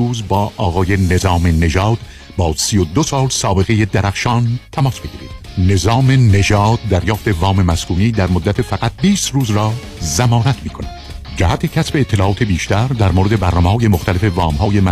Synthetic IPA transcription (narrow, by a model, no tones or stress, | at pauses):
uːzbɒːʔɒːɣɒːje̞ne̞zɒːme̞ne̞ʒɒːd̪̥ | bɒːsijod̪osɒːlsɒːbe̞ɣe̞jed̪æɾʔæxʃɒːnt̪ʰæmɒːsb̥eɡʲiːɾḭːd̪̥ne̞zɒːme̞ne̞ʒɒːd̪̚ːæɾjɒːft̪e̞vɒːme̞mæskuːniːd̪æɾmod̪ːæt̪ʰefæɣæt̪̚biːst̪ruːzɾɒː | zæmɒːnæt̪ʰmiːkʰo̞næd̪̥d͡ʒæhæt̪ʰe̞cʰæsbe̞ːt̪ʰːe̞lɒːʔɒːt̪ʰe̞biːʃt̪æɾd̪æɾmoːɾed̪e̞bæɾnɒːmehɒːje̞moxt̪ælefe̞vɒːmhɒːjem